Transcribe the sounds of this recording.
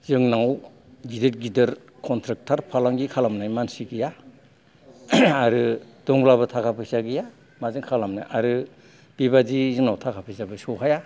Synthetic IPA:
zɯŋnaw | ɡideɾɡideɾ | kʰɔntʰɾɯk̚tʰaɾpʰalaŋɡikʰalamnajmansiɡija | ɾɯd̥ɔŋblabɯtʰakʰapʰɯjsaɡija | mazɯŋkʰalamna̰jʔaɾɯ | b̥ibadizɯŋnawtʰakʰapʰɯjsabɯsɔɦʰaja

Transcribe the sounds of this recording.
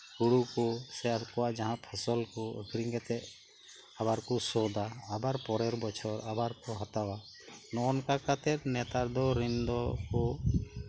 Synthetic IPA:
huɽukɔsɛalkɔwaʔd͡ʒaɦãpʰəsɔlkɔə̰kʰɾiŋɡɛt̪ɛʔ | abaɾkɔsɔd̪aːbaɾpɔɾɛɾbɔt͡ʃʰɔɾabaɾkɔɦat̪awa | nɔɔnkakat̪ɛt̪̚nɛt̪aɾd̪ɔɾind̪ɔkɔ

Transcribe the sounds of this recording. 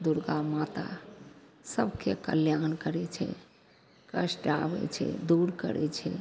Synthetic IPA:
d̪uɾɡamat̪a̰ | səbkekə̰ljankəɾɛt͡ʃʰɛ̰ | kəsʈaʋɛ̰t͡ʃʰɛ̰d̪uɾkə̰ɾɛ̰t͡ʃʰɛ

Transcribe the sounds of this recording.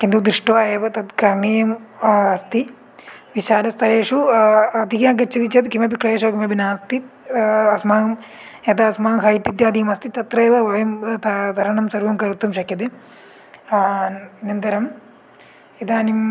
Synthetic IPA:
kind̪ud̪ɾiʂʈɐʋaːjeːʋɐt̪ɐt̪kɐɾɳijɐmɐst̪i | ʋiʃaːlɐst̪ɐɾeːʂuɐt̪ikaːɡɐt͡ʃːɐd̪it͡ʃɐt̪kimɐp̬ikɭɐeːʃɐːkimɐbinaːst̪it̪ɐsmaːɐmet̪aɐsmaːŋkʰaːjit̪ːid̪jaːd̪ijɐmɐst̪it̪ɐt̪ɾɐːʋɐʋɐjɐmt̪ɐt̪ʰɐɾɐɳɐmsɐɾʋɐmkɐɾut̪ːumʃɐkːjɐt̪e | inɐnd̪ɐɾɐm | id̪aːnim

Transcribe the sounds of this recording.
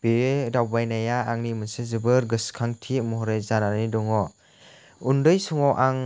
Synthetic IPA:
b̥edawbajnajaːŋnimɯnsezɯbɯɾɡɯskʰaŋtʰimɔɦɔɾejzananidɔŋɔ | undɯjsuŋɔwʔaŋ

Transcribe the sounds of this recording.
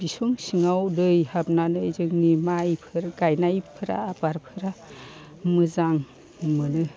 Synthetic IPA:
bisuŋsiŋawdɯjhap̚nanɯzɯŋnimajpʰɯɾɡajnajpʰɯɾa̰ːbaɾpʰɯɾa | mɯzaŋ | mɯnɯ

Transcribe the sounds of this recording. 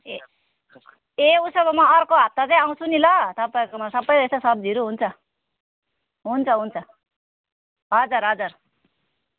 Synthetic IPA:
e | eusʌbʌmaʌrkoɦap̚t̪at͡sʌj̃aw̃t͡sʰunilʌt̪ʌpaekomasʌbʌjest̪osʌb̚d͡zʱiɾuɦunt͡sʰʌ | ɦunt͡sʰʌɦunt͡sʰʌ | ɦʌd͡zʌɾɦʌd͡zʌr

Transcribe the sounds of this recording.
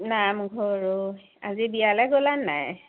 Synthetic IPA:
namɡʱɔɹo | a̰zibijalɛɡolanːa̰j

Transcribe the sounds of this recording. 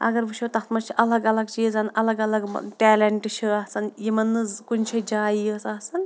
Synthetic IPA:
ɐ̰ɡɐɾʋɨʃʰot̪ɐt̪mɐt͡ʃʰiʔɐlɐɡɐlɐɡ̚t͡ʃizɐnɐlɐɡɐlɐɡ̰ʈɛːlɐɳʈɨt͡ʃʰiɐɦsɐnjimɐnːɨzkunʲt͡ʃʰɐd͡ʒaːjijəsɐsɐn

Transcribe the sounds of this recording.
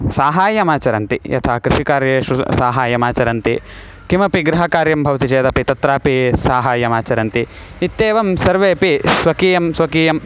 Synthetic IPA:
saːɦaːjɐmaːt͡ʃɐɾɐnt̪ijɐ̰t̪ʰaːkɾɪʃikaːɾjeːʃusaːɦaːjɐmaːt͡ʃɐɾɐnt̪i | kimɐpiɡɾɐɦɐkaːɾjɐmbʱɐʋɐt̪it͡ʃeːt̪ɐpit̪ɐt̪ɾaːpisaːɦaːjɐmaːt͡ʃɐɾɐnt̪i | it̪ːeːʋɐmsɐɾʋeːpisʋɐkiːjɐmsʋɐkiːjɐm

